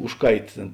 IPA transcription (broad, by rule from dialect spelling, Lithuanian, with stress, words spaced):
ˈʊʃˌkɐɪt tʲeːn